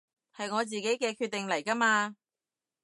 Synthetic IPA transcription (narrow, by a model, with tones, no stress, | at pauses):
hɐ˨jŋɔː˨˧t͡siː˨ke˨˥jkɛː˧kʰyː˧t̪̚ːɪ˨ŋlɐ˨˩jkɐ˥maː˧